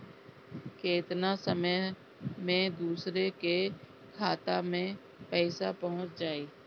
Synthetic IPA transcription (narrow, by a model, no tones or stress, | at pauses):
keːt̪nasəməj | mẽd̪uːsɾeke | kʰaːt̪amẽ | pɛːɪsapəɦʊ̃t͡ʃd͡ʒaːeː